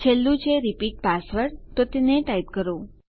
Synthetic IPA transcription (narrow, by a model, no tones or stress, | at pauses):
t͡ʃʰelːũt͡ʃʰeɾipiʈ̚pasʋəɾt̪ot̪eneʈait̪̚kəɾo